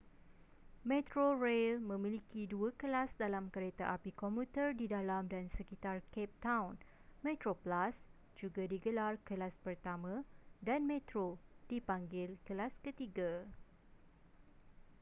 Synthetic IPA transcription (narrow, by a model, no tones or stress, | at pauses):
mɛ̃t̪ɾorelmə̃mĩlikiduakəlasdalamkəɾet̪aʔapikɔmut̪ərdidalamdansəkit̪arkɛp̚t̪awnmɛ̃t̪ɾoplas | d͡ʒuɡadiɡəlarkəlaspərt̪amãdanmẽt̪ɾodipaŋɡɪlkəlaskət̪iɡa